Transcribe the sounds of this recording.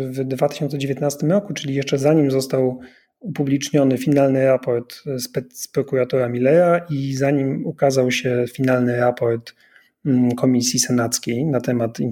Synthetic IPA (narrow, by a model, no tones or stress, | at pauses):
vd̪vat̪ɘ̥ɕɔnt̪sɛd͡ʑevʲjɛt̪nast̪ɘmɾɔkut͡ʂɘlʲijɛʂt͡ʂɛzaɲimzɔst̪aw | upublʲit͡ʂɲɔnɘfʲinalnɘɾapɔɾt̪spɛt̪spɾɔkuɾat̪ɔɾamʲilɛɾaʔizaɲimukazawɕɛfʲinalnɘɾapɔɾt̪ | kʰɔmʲisʲjisɛnat̪skʲejnat̪ɛmat̪ḭn